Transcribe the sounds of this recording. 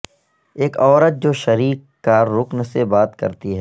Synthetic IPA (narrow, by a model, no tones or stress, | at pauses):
eːkɔːɾət̪̚d͡ʒoːʃɐɾiːkːaɾʊknsebaːt̪kə̰ɾt̪iɦɛː